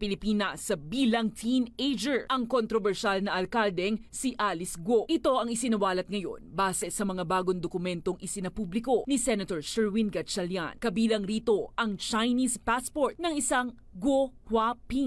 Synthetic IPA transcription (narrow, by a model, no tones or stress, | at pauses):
pɪlɪpiːnɐsːɐbiːlɐŋt̪ʰinejd͡ʒɛɹʔɐŋkont̪ɾobɛɹʃalnɐʔɐlkald̪ɛŋsiʔalɪsɡoʔɪt̪o̞ʔɐŋɪsɪnɐwaːlɐt̪̚ŋɐjo̞̰nbaːsɛsɐmɐŋabaːɡoŋd̪okʊmɛnt̪o̞ŋʔɪsɪnɐpublɪko̞nisɛnɐt̪oɹsɛɹwinɡɐt͡ʃɐlja̰nkɐbiːlɐŋɾiːt̪o̞ʔɐŋt͡ʃajnispaspoɹt̪̚nɐŋɪsaŋ | ɡohwapiŋ